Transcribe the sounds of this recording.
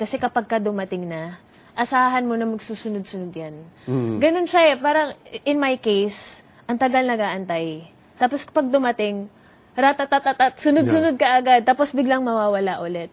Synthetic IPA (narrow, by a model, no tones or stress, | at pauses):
kɐsɛkɐpaɡ̚kɐd̪ʊmɐt̪ɪŋnɐ | ʔɐsaːɦɐnmo̞nɐmɐɡsuːsʊnod̪̚sʊnod̪janɡɐno̞nʃaɛpaːɾɐŋʔɪnmajkejs | ʔɐŋt̪ɐɡalnɐɡaːʔɐnt̪aj | t̪aːpo̞skɐpɐɡ̚d̪ʊmɐt̪ɪŋ | ɾat̪at̪at̪at̪at̪sʊnod̪sʊnod̪̚kɐʔɐɡad̪̚t̪aːpo̞sbɪɡlaŋmɐwaːwɐlaʔʊlɛt̪̚